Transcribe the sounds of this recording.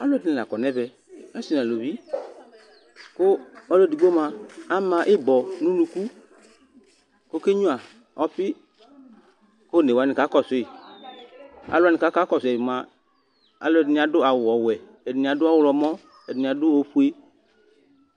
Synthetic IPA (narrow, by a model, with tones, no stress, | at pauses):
a˨lʊ˦ɛ˨di˨ni˨la˨kɔ˨nɛ˦bɛ˨ | a˦si˨n˨a˨lo˨vi˦ | ko˦ɔ˦lɛ˦˨di˨ɡ͡bo˦mã˨a˦mã˨ʔɪ˦bɔ˨nũ˦lu˦˧ku˦ | ko˦ke˦ɲũ˦a˨ | ɔ˦ɸi˦ | ko˦ne˨wa˨nĩ˨ka˨˦kɔ˨sʊ˨˦i˨ | a̰˨lʊ˦a˨nĩ˨ka˨˦ka˨˦kɔ˨sɛ˨i˨mã˧ | a̰˨lo˦ɛ˨di˨nĩ˨a˨dʊ˦a˨wɔ˨wɛ˨ | e˨di˨nĩ˨a˨dʊ˦a˦wʊ˨lɔ˨mɔ̃˦ | ɛ˨di˨ĩ˨a˨dʊ˦o˧ɸu˦e˦